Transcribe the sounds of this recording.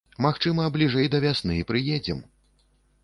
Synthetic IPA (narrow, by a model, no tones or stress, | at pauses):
maxt͡ʂɨmɐblʲiʐɛjd̪ɐvʲasnɨipɾɨjed͡zʲɛ̰m